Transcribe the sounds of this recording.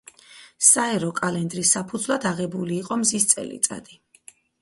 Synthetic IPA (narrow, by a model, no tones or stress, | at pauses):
saɛɾɔkʼalɛnd̪ɾisːapʰud̪zvlˠad̪aʁɛbuliːqʼɔmzist̪sʼɛ̰lḭt̪sʼa̰d̪i